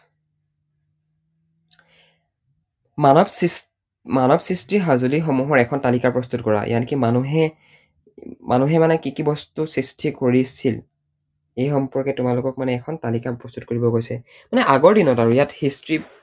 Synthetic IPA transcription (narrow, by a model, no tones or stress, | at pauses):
manɔbsɹistɹiɦazulixomuɦɔɹɛkʰɔntalikaɹpɹɔstutkɔɹa̰ʔḭjankimanuɦɛ | mʔanuɦɛmanɛkikibɔstusɹistʰikoɹisil | ejxɔmpɔɹkɛtʊmalʊkɔk̚manɛːkʰɔntalikapɹɔstut̚koɹibɔɡojsɛ | manɛʔaɡɔɹdinɔtaɹujathistɹi